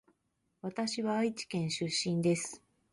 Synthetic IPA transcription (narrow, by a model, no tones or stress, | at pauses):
βat̪aɕiβaːit͡ɕi̥kẽ̞ɰ̃ɕɨɕːĩnd̪e̞sɨ̥